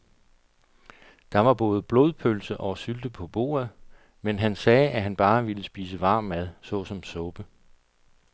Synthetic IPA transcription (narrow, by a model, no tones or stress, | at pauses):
d̥ɑ̈ʋɑ̈b̥ɔ̽ːð̞ˠəb̥lo̝ːð̞ˠpʰølsəʔɒ̽syld̥əpʰɒ̽b̥o̝̰ːɐð̞ˠ | menɦænsɛːʔæɦænb̥ɑ̈ːʋiləsb̥ḭːs̬əʋɑ̈ːmæðˠsɒ̽sɒ̽msɔ̽b̥ə